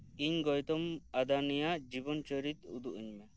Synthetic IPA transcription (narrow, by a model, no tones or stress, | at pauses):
iɲɡɔjt̪ɔmad̪anijad͡ʒibɔnt͡ʃɔɾit̪ṵd̪uʔiɲme